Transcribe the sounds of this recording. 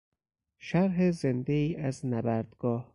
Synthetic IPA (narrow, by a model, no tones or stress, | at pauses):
ʃæɾɦezend̪eiːʔæznæbæɾd̪̥ɡ̥ɒːh